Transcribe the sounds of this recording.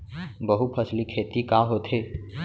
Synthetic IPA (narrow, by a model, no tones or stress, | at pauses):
bəɦupʰəslikʰeːt̪ikaːɦot̪ʰeː